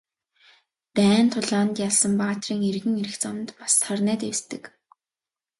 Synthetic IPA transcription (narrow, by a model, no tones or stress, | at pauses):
pæːnt̪ʰʊɮaːnt̪jaɮsə̆mpaːt̪riːŋeɾɣɘ̆ŋeɾɘ̆xt͡samnt̪pḁsːarnæːt̪ewst̪ɘ̆k